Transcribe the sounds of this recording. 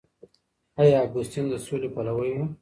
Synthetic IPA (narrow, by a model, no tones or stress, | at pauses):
ajaːɡʊst̪ind̪əsolepalawəjmu